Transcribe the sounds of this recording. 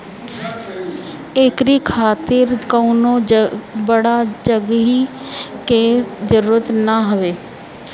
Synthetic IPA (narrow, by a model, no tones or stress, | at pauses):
eːkɾikʰaːt̪ɪɾkəunõbəɽad͡ʒəɡɦi | ked͡ʒəɾuːɾət̪naɦʊʋeː